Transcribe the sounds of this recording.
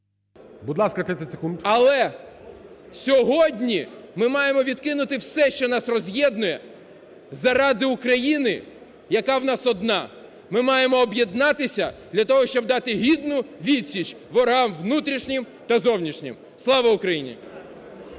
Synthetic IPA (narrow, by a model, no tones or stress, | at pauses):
bud̪lˠɑskɐt̪ɾɪt̪ɪsekund̪ɐlˠɛ | sʲɔɦɔdʲnʲimɪmɑjemɔʋʲid̪kɪnʊt̪ɪwsɛʃt͡ʃɔnɑsrɔzʲjɛd̪nʊjɛ | zɐɾɑd̪ɪʊkɾɐjinɪ | jɐkɑwnɑsɔd̪nɑ | mɪmɑjemɔːbjɛd̪nɑt̪ɪsʲɐd̪lʲɐt̪ɔɦɔʃt͡ʃɔb̚d̪ɑt̪ɪɦʲid̪nʊʋʲid̪ʲsʲit͡ʃ | ʋɔɾɦɑmʋnut̪ɾʲiʃnʲɪm | t̪ɐzɔwnʲiʃnʲɪ̰m | slˠɑʋɐʊkɾɐjinʲɪ̰